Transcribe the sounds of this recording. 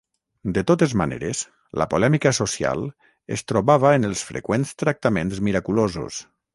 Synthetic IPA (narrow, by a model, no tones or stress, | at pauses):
d̪et̪ot̪ezmanḛɾes | lə̰polɛmikəsosia̰lˠ | est̪ɾoβaβəenəlˠsfɾḛkwenst̪ɾak̚t̪amẽnzmiɾakulozṵs